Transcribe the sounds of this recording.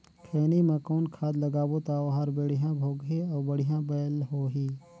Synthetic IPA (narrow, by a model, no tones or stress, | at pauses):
kʰeːnimẽkɔːnkʰaːd̪ləɡaːbot̪aːoɦaːɾbəɽ̤ijãbʱoːɡɦeɔːɾbəɽɪjãbəːlɦoːɦiː